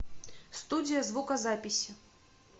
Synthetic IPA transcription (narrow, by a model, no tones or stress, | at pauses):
st̪udʲijɐzvukɐzapʲisʲi